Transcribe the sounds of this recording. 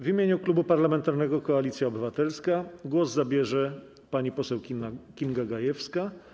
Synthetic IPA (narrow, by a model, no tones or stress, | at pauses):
vimʲjeɲuklubupaɾlamɛnt̪aɾnɛɡɔkɔalʲit̪sʲjaɔbɘvat̪ɛlskaɡwɔzzabʲjɛʐɛ | paɲipɔsɛwkʲinɡaɡajɛfska